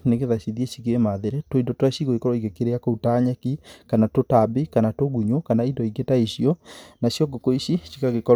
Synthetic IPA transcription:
neɣeðaʃiðieʃiɣeemaðeɾɛtoindɔtwaʃiɣoekɔɾɔiɡekeɾejakoutaːɲɛkikanatotabekanatoɣuɲokanaindɔiɡetaiʃiɔnaɕjɔɡokoiʃiʃikaɣekɔ

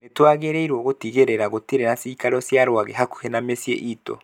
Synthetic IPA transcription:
etwaɣeɾeiɾwoɣotiɣeɾeɾaɣotiɾenasikaɾɔsjaɾwaɣeɦaku̥henamesiḛʔitɔ̰

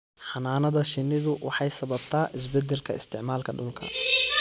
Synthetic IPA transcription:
ħɑnaːnɐðɐʃɪnɪðʊwʔɑ̰ħɑjsɐβɐb̚t̪ʰaːʔɪsbɛd̪ɛlkʰɐɪst̪ʰɪʕmaːlkʰɐɖʊlkʰɐ̰

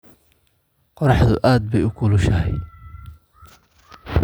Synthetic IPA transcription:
qɔɾɑħðʊ̰ʔaːd̪̚bɛjʊkʰʊlʊʃɐhɛ̰

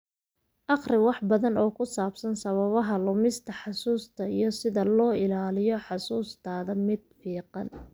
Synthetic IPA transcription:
ʔɑqrɪwɑħbɐðɐnɔːkʰʊsaːbsɐnsɐβɐβɐɦɐlʊmɪst̪ʰɐħɑsuːst̪ʰɐijɞsɪðɐlɔːɪlaːlɪjɔħɑsuːst̪ʰaːðɐmɪd̪̚fiːqɑn

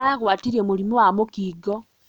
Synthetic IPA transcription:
aɣwaːtiɾemulimuwamukiːɡo

